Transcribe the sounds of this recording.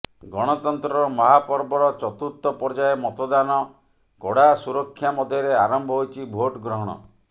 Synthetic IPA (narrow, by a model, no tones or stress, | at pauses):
ɡɔɽ̃ɔt̪ɔnt̪ɾɔɾɔmɔɦapɔɾbɔɾɔt͡ʃɔt̪ut̪ːɔpɔɾd͡ʒaemɔt̪ɔd̪anɔ | ɡɔɽasuɾɔkʰːjamɔd̪ʱjɔɾeaɾɔmbʱɔɦojt͡ʃʰibʱoʈɡɾɔɦɔɽ̃ɔ̰